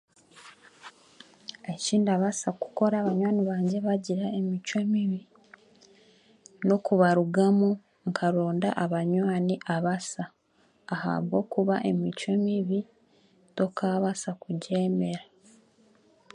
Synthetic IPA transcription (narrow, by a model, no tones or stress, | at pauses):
eciːndiaβasaku̥ko̞ɾaːβaɲwaːniβaːɲɟe̞βaɟiɾae̞mit͡ʃwe̞miβi | no̞kuβaɾuɡamo | ŋkʰaɾoːnda̰ʔaβaɲwaːniʔaβasaː | ha̰βɡo̞̰ːkuβaʔe̞mit͡ʃwe̞miβi | to̞kaβasakuɟe̞ːme̞ɾa